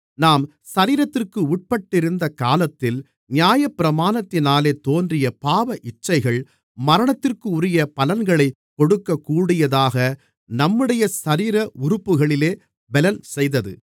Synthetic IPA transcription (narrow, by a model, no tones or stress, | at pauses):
naːm | sɐɾiːɾɐt̪ːɪrkɯʊʈ̚pɐʈːɪɾɯnd̪ɐkaːlɐt̪ːɪl | nɪjaːjɐpːɪɾɐmaːnɐt̪ːɪnaːleːt̪oːndrɪjɐpaːʋɐʔɪt͡ʃːɐɪɣɐɭ | mɐɾɐɳɐt̪ːɪrkɯʊɾɪjɐpɐlɐnɡɐɭɐɪ | kːɔɽɯkːɐkːuːɽɪjɐðaːɣɐ | nɐmːɯɽɐjɐsɐɾiːɾɐʔʊɾʊpːɯɣɐɭɪleː | bɛlɐnsɛjðɐðɯ̰